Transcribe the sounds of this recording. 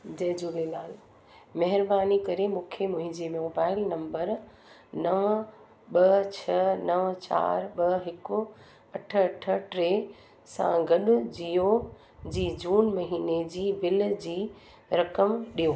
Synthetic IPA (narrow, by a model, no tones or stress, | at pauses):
d͡ʑɐ̃ɦɪ̃d͡ʑuːleːlaːl | mɐɦɪɾbaːnikɐɾemũːkʰemʊ̃ɦɪ̃ɲd͡ʑemoːbaːɪlnɐ̃mbəɾ | nɐʋ | ɓɐt͡ɕʰɐnɐʋt͡ɕa̰ːɾɓɐɦɪkʊ | ɐʈʰə̆ɐʈʰəʈɾeː | sã̰ɡɐɗʊ̆d͡ʑijo | d͡ʑiːd͡ʑuːnmɐɦiːned͡ʑiːbɪld͡ʑiː | ɾɐkəmɗijoː